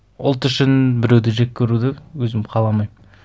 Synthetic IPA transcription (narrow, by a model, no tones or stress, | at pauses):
ʊ̰lˠt̪ʏʃɪnbɪɾewd̪ɪʒe̞k̚ʲkʲʰːeɾud̪ɪwɵzɪmqʰɑlˠɑmɑjm